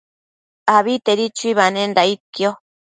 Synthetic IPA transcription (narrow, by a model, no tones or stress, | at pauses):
aβit̪eɾit͡ʃuiβanendait̪̚kjo